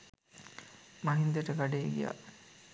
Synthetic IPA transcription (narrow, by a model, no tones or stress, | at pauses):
maɦind̪eʈəɡaɖejːɡija̰